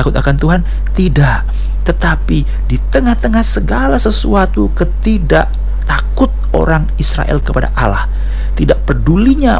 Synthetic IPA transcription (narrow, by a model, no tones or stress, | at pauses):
akʊt̪akant̪uɦan | t̪idaʔ | t̪ət̪api | dit̪əŋaht̪əŋahsəɡalasəsuat̪ukət̪idaʔ | t̪akʊt̪̚o̰ɾaŋisɾa̰ʔɛ̰lkəpada̰ʔala̰h | t̪idaʔ̚pərduliɲa